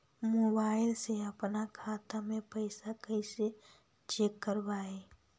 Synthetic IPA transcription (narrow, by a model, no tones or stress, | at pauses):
moːbaːɪlseɐpnakʰaːt̪amẽpəɪsakəɪse | t͡ʃeːkːəɾbaːeː